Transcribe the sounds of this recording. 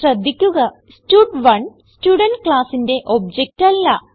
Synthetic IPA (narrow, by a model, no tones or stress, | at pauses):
rɐd̪ʱːikʲːuɣɐ | stuːɖʋɐɳstuːɽɐnʈkɭaːsinde̞ʔo̞b̚d͡ʑek̚ʈɐlːɐ